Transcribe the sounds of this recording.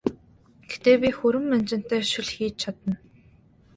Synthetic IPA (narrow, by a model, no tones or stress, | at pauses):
ɡ̥et̪eːpʲixɵɾɘ̆mːænt͡ɕɪ̆n̥t̪æːʃɪ̆ɮxiːt͡ɕt͡ɕʰat̪ə̆n